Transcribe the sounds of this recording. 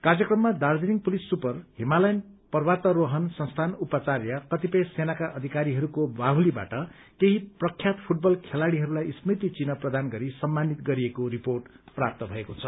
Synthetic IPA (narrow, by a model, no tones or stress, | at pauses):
karjʌkrʌmːad̪ard͡zeniŋpulisːupʌrɦimalajnpʌrwat̪ʌɾoɦʌnsʌnst̪ʰanupʌt͡sarjʌkʌt̪ipʌjsenakaʔʌd̪ʱikaɾiɦʌɾukobaɦuliba̰ʈʌ | keɦiprʌkʰjat̪pʰuʈ̚bʌlkʰelaɽiɦʌɾulajsrit̪it͡sinʌprʌd̪anɡʌɾisʌmːanit̪ɡʌɾiekoɾiporʈ | prap̚t̪ʌbʱʌekot͡sʰʌ